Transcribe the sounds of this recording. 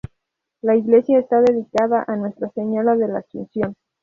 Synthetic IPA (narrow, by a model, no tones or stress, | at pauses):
laiɣle̞sjaest̪aðe̞ðikaðaʔanwe̞st̪ɾaseɲoɾaðe̞lasṵnsjo̞n